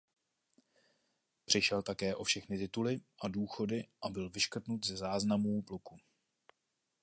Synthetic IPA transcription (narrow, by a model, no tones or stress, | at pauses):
pr̥ɪʃɛlt̪akɛːʔo̞fʃɛxnɪt̪ɪt̪ulɪʔaduːxo̞dɪʔabɪlvɪʃkr̩t̪nut̪zɛzaːznamuːpluku